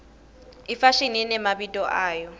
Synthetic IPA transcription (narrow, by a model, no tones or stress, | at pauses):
ifaʃininɛmabitʼɔʔaːjɔ